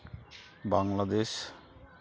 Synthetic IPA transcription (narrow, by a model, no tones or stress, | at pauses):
baŋlad̪eʃ